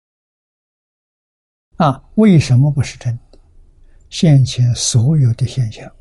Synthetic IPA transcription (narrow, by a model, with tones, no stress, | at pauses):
a˥˧˩we˥˩ɪʂə˧˥nmə˧pu˧˥ʂɻ̩˥˩ʈ͡ʂʰə˧˥n | ɕjɛ˥˩nt͡ɕʰjɛ˧˥nswɔ˧˥jo˨˩ʊd̪ə˦ɕjɛ˥˧nɕjɑ˥˩ŋ